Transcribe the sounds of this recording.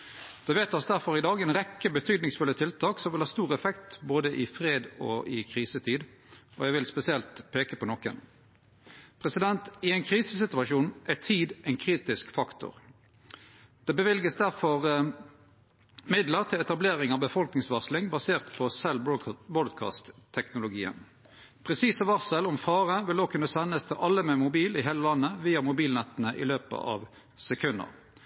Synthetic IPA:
d̪̥ɛʋeːt̪ːɑsd̪æʁfɔʁɪd̪ɑːɡɛnʁɛkːəbət̪ʰyːd̪nɪŋsfʉlːət̪ʰɪlt̪ʰɑːksɔmʋɪlhɑːst̪uːʁɛfɛkt̪boːd̪əʔɪfʁeːd̪ɔ̰ʔɪkʰʁiːsət̪ʰiːd̪ | ɔjæɪʋɪlspɛsɪɛlt̪pʰeːkəpɔnɔkə̰n | pʰʁɛsɪd̪ɛnt̪ɪɛɪnkʰʁiːsəsɪt̪ʉɑʃuːnʔæt̪ʰiːd̪ɛɪnkʰʁiːt̪ɪskfɑkt̪ʊ̰ʁ | d̪̥ɛːbəʋɪlɡəsd̪æʁfɔʁ | mɪd̪ləʁt̪ʰɪlɛt̪ɑbleːʁɪŋɑʋbəfɔlknɪŋsʋɑʁslɪŋbɑseːʁt̪pʰɔsɛlbɔd̪kʰɑ̰ːst̪ʰːɛknʊlʊɡḭːə̰n | pʰʁɛsiːsəʋɑʁsəlɔmfɑːʁəʋɪld̪oːɡ̚kʰʉnəsɛnːəst̪ʰɪlʔɑlːəmɛmʊbiːlɪɦeːləlɑnːəʋiːɑmʊbiːlnɛt̪ːənəʔɪ̰løːpə̰ʔɑ̰ːʋ | sɛkʰʉnd̪ə̰ʁ

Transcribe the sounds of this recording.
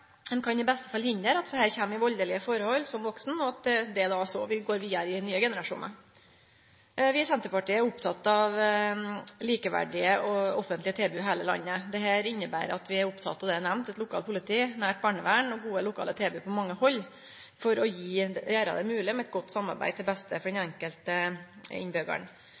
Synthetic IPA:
mɛnkʰɑnɪbɛst̪ə̥fɑlhɪnd̪əɾɑt̪d̪ɛhæːɾçɛmːɪʋɔld̪əlɪəfɔɾəhɔlːsɔmʋɔksn̩ɔɑt̪̚d̪ɛd̪ɛd̪ɑsɔʋɪɡoːɾʋiːəɾɪnyːəɡɛnəɾɑʂṵːnə̰ɾ | ʋɪsɛnt̪əɾpɑʈiːəæɾʊpt̪ʰɑt̪ːɑʋ | liːkəʋæ̰ɖɪəʔɔɔfənt̪lɪət̪ʰeːbʉɦeːləlɑ̰nːəd̪ɛɦæːɾɪnːəbæ̰ːɾəɑt̪ʋɪæɾʊpt̪ʰɑ̰t̪ːɑʋd̪ɛænæmnt̪ɛt̪lʊkʰɑːlpʰʊlɪt̪ʰiːnæːʈ̚bɑːɳəʋæːɳɔɡuːəlʊkʰɑ̰ːlət̪ʰeːbʉpɔmɑŋːəhɔlː | fɔɾɔjiːjæːɾɑ̰d̪ɛmʉːlɪmɛɛt̪̚ɡɔt̪ːsɑmːɑ̰ɾbæ̰ɪd̪t̪ɪlbɛst̪əfɔɖɛnɛŋkəlt̪əɪ̰nbøːɡə̰ɳ

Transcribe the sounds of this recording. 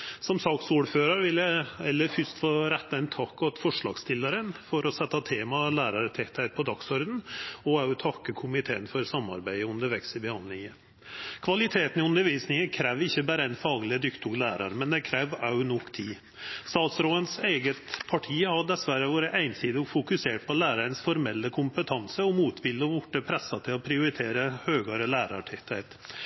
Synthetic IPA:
sɔmsɑksuːɖføːɾəɾʋɪlæɛlːəɾfʏst̪foːɾɛt̪ːɑɛnt̪ʰɑkːɑt̪fɔʂɭɑ̰ːɡst̪ɪlɑɾənfɔɾɔsɛt̪ːɑt̪ʰeːmɑlæːɾɑɾt̪ʰɛt̪ʰæɪt̪̚pʰɔd̪ɑksɔɾd̪n̩ɔɑʉt̪ʰɑkːəkʰʊmɪt̪ʰeːənfɔɾsɑmːɑ̰ɾbæɪəʉnd̪əɾʋɛksəbəhɑnd̪lɪŋə | kʰʋɑlɪt̪ʰeːt̪n̩ɪʉnd̪əɾʋiːsnɪŋəkʰɾæːʋɪçːəbæːɾəæɪnfɑːɡlɪəd̪ʏkt̪ʊɡlæːɾɑɾmɛnd̪ɛkʰɾæːʋɑʉnɔkːt̪ʰiː | st̪ɑːt̪sɾoːənseɪɡət̪pʰɑʈʰiːəhɑɖ̪ɛsʋæɾəʋoːɾəʔæɪnsiːd̪əfʊkʉseːʈ̚pʰɔlæːɾɑɾənsfɔɾmɛlːəkʰʊmpət̪ʰɑnsəɔmuːt̪bɪləɔbʊʈːəpʰɾɛsːɑt̪ʰɪlɔpʰɾɪʊɾɪt̪ʰeːɾəhøːɡɑɾəlæːɾɑʈʰɪt̪ʰæɪt̪

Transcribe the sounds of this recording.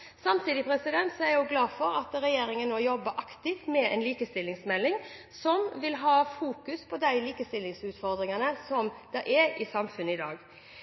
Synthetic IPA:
sɑmt̪ʰiːd̪ɪpʰɾɛsɪd̪ɛnt̪sɔɛɾjʊɡlɑːfɔɾɑt̪ɾɛjeːɾɪŋənnoːjɔbːəʔɑkt̪ɪft̪mɛɛnliːkəst̪ɪlːɪŋsmɛlːɪŋ | sɔmʋɪlɦɑːfuːkʉspʰɔd̪æɪliːkəst̪ɪlːɪŋsʉːt̪fɔɾd̪ɾɪŋɑnəsɔmd̪̥ɑʔɛɾɪsɑmfʉnəɪd̪ɑ̰ːɡ

